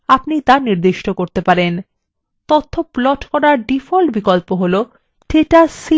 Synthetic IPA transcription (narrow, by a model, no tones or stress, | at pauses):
apnit̪aɾniɾd̪iʃʈokoɾt̪epaɾen | t̪ot̪ʰːoplɔʈkɔɾaɾɖifʰɔlbikɔlpoɦolo | ʈʰeʈasi